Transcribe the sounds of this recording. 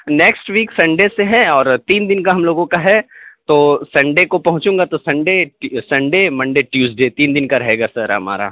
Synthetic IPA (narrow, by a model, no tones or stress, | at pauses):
nɛːksʈʋiːksɐ̃ɳɖeseɦɛɔːɾt̪iːnd̪ɪnkaɦɐmloːɡõkaɦɛt̪oːsɐ̃ɳɖekopɐɦʊ̃t͡ʃũːŋɡat̪osɐ̃ɳɖeʈsɐ̃ɳɖemɐ̃ɳɖeʈjuːzɖeːt̪iːnd̪ɪnkaɾɐɦeːɡaːsɐɾɦɐ̰ma̰ːɾa̰ː